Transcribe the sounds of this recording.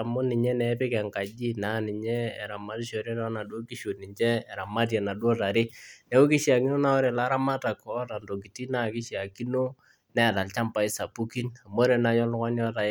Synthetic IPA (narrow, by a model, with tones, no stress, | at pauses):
a˨mʊ˦nɪ˨ɲɛ˦nɛ˨˦pɪ˦kɛ˨ŋka˨d͡ʒi˦na˨˦nɪ˨ɲɛ̰ː˦˨ɾa˨ma˨˦ti˦ʃo˨ɾe˦tɔ˦na˨do˦ki˦ʃo˨ni˨nt͡ʃɛː˦˨ɾa˨ma˦tjɛ˨na˨dwo˦ta˨ɾɪ˦nɛ˦wo˦ki˦ʃi˦a˨ki˦no˦na˦ɔ˦ɾɛ˨la˦ɾa˦ma˦ta˨kɔ˨˦ta˨ndo˨ki˨ti˦na˦˨kɪ˦ʃi˨a˨ki˦no˦ | nɛ˦˨da˨lt͡ʃa˦mpa˨ɪ˦sa˨pu˦ki˦na˨mo˦ɾe˨na˨˦ɲɔ˦lkɔ˦njɔ˦ta˨˦